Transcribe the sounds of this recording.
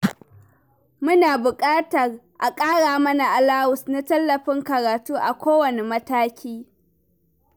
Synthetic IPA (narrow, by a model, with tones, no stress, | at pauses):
mʊ˦naː˨bʊ˨kʼaː˦tɐ˨rʔa˨kʼaː˦ɽaː˨mɐ˦na˨ʔa˨laː˦wʊ˨sna˦tɐ˦lːɐ˨ɸɪ˦ŋkɐ˨ɾaː˨tuː˦ʔa˨kʷoː˦wɐ˨ne˨mɐ˦taː˦kʲiː˦